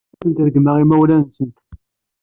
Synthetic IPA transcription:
θənt̪æðəɡməʁimæwlænsənt̪

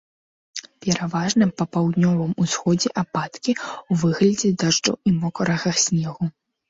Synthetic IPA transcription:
pʲɛɾavaʐnɐpɐpawd̪nʲɔvɨmusxɔd͡zʲɛʔapat̪kʲiwvɨɣlʲɐd͡zʲɛd̪aʐd͡ʐɐ̰wimɔkɐɾɐɣɐxsʲnʲɛɣu

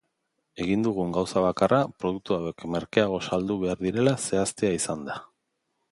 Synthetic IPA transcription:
e̞ɣ̞ind̪uɣ̞uŋɡawsaβ̞akarapɾo̞ðuk̚t̪uawe̞kme̞ɾkeaɣ̞o̞sald̪uβ̞e̞aɾðiɾe̞lase̞ast̪eaisand̪a

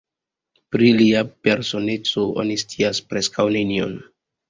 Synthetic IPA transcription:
pɾiliape̞ɾso̞ne̞t͡so̞ʔo̰nistiaspɾe̞skawnenio̰n

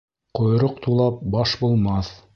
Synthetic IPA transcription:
qŏjɾoqt̪ulˠɑp̚bɑʃbulˠmɑθ

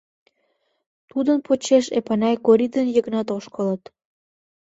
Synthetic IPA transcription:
t̪ud̪ənpʰot͡ɕeʃepɑnɑjkoɾid̪ənjəɣnɑt̪oʃkələt̪

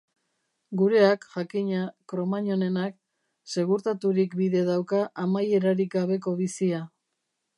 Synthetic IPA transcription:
ɡuɾe̞akʝakiɲakɾo̞maɲo̞ne̞nak | se̞ɣuɾt̪at̪uɾikbiðe̞ðawkaʔamaje̞ɾaɾikɡaβ̞e̞k̬o̞βisia

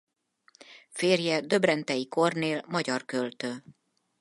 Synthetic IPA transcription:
feːrjɛd̪ø̞brɛnt̪ɛjiko̞rneːlmɒɟɒrkølt̪øː

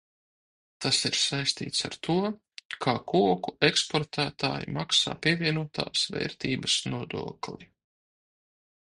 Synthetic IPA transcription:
t̪asiɾsajst̪ḭːt̪saɾt̪ʰuɔ | kʰaːkuɔkuekspɔɾt̪ʰæːt̪a̰ːjḭmaksa̰ːpʲiɛvʲiɛnuɔt̪ʰa̰ːsvɛ̰ːɾt̪iːbɐsnuɔd̪ṵɔklˠi

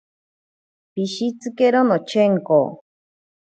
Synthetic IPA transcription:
piʃit͡sɨkeɾonot͡ʃʰeŋko

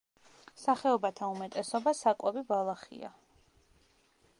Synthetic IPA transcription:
saχɛɔbat̪ʰaumɛt̪ʼɛsɔbasakʼwɛbibalˠaχḭa̰

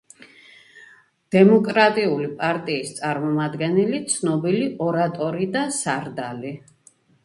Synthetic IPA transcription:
d̪̥ɛmɔkʼɾat̪ʼiulipʼaɾt̪ʼiːst̪sʼaɾmɔmad̪ɡɛnɛlit̪sʰnɔbiliʔɔɾat̪ʼɔɾid̪asaɾd̪ali

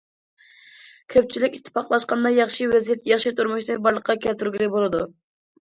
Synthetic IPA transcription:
kʲʰøp̚t͡ʃʰilɪkʲit̪ʰːɨ̥pʰɑqlˠɑʃqɑnd̪ɑjɑχʃiwɛzijɛt̪jɑχʃit̪ʰuɾmuʃd̪ɨbɑɾlˠəqʰːɑkʲʰɛlt̪yɾɡʲilɪbolˠɨd̪u

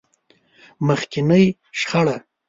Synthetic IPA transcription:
məxkɪnəj | ʃχaɽa

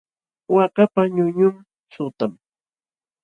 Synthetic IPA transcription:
wakapaɲʊɲʊm | sʊt̪am

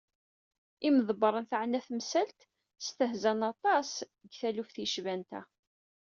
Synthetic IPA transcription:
iməðˤbəɾˤənθaʕnæθmsælt̪ | st̪əhzænɑt̪ˤɑsəɡθælufθiʃvænt̪æ̰

